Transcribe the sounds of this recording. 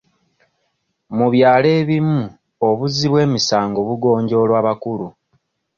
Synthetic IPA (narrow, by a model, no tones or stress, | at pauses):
muβjaːle̞ːβimu | oβuziβwe̞ːmisaːŋɡo̞βuɡo̞ːɲɟo̞ːlwaːβakulu